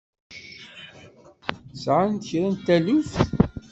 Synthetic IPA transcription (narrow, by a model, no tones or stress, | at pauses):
sʕant̪çɾænt̪ælif